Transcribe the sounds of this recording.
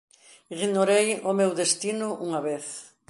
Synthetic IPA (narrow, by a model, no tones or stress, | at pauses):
iɣnoɾejʊmewðest̪inʊʔuŋɐβeθ